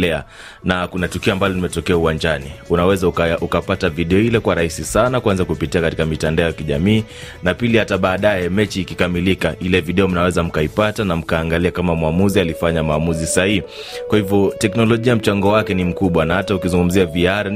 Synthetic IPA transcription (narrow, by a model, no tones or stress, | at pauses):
lɛa | nakunatukiɔambalɔlimɛtɔkɛauwaɲd͡ʒaniunawɛzaukapataviɗɛɔilɛkwaɾaisisanakwanzakupitiakati̥kamitandaɔjakiʄamiː | napilihataɓaːɗajɛmɛt͡ʃiːkikamilikaʔilɛviɗɛɔm̩nawɛzam̩kaipatanam̩kaːŋɡaliakamamwamuzialifaɲamaːmuzisahihi | kwahivjɔtɛknɔlɔʄiam̩t͡ʃaŋɡɔwakɛnim̩kuɓwanahataukizuŋɡum̩ziaviaɾ